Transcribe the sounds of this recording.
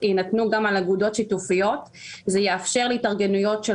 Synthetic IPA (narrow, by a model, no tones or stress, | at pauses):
inatnuɡamalaɡudo̞tʃitufijo̞t | zejeafʃeʁleitaʁɡe̞nujo̞tʃe